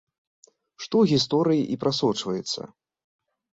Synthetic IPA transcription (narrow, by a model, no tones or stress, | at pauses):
ʂt̪ɔwɣʲist̪ɔɾɨjiʔipɾasɔt͡ʂvɐjɛt̪sːɐ̰